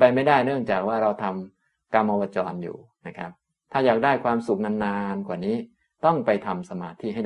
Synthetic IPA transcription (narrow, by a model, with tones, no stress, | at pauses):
pa˧jma˥˩jdaː˥˩jnɯ˥˩əŋt͡ɕaː˨˩k̚waː˥˩ɾa˧wt̪ʰa˧m | ka˧mːʔɔː˧waː˧t͡ɕɔː˧njṵː˨˩ | na˦˥kʰa̰˦˥p̚ | t̪ʰaː˥˩jaː˨˩k̚daː˥˩jkʰwaː˧msu˨˩k̚na˧nːaː˧nkwaː˨˩niː˦˥ | t̪ɔ˥˩ŋpa˧jt̪ʰa˧msa˧maː˧t̪ʰiː˥˩ɦa˥˩j